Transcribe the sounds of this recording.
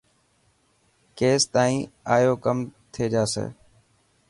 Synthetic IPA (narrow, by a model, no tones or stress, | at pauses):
keːst̪aːĩːaːjoːkəmt̪ʰeːd͡ʒaːsḛː